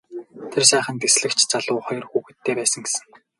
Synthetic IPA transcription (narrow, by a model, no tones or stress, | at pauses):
t̪ʰersæːχə̆nt̪esɮɘ̆kt͡ɕʰt͡saɮʊːχɔjɞ̆rxuɣɘ̆t̪ʰːeːpæːsə̆ŋɡesɘ̆ŋ